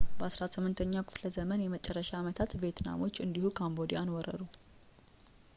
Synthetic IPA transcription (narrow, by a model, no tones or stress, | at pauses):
bəasɾasɨmːɨnt̪ʰəɲːakʰɨ̥fləzəmənjɛmət͡ʃʼɛrːəʃaːmət̪ʰat̪be̞t̪ʰna̰mo̞t͡ʃːɨnd̪ihukʰambo̞d̪ijanwɔɾə̰ɾu